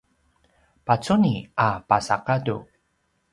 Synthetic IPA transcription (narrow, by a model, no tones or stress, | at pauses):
pat͡suniapasaqadu